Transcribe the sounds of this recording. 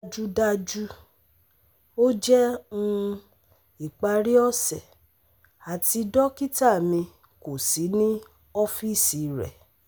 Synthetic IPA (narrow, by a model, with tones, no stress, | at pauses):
d͡ʒu˦da˦d͡ʒu˦ | o˦d͡ʒɛ˦ũ˦ | i˨k͡pa˧ɾi˦ɔ˦sɛ˨ | a˨ti˧dɔ˦ki˦ta˦˨mĩ˧ | ko˨si˨˦nĩ˦ | ɔ˦fi˦˨si˨ɾɛ̰˨